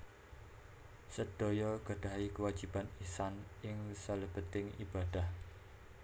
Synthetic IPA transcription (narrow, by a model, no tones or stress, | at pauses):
səɖ̥o̤jɔɡ̥a̤ɖ̥a̤ikəwḁd͡ʒ̥i̤b̥anisanʔɪŋsələb̥ət̪ɪŋḭb̥ad̪̥a̤h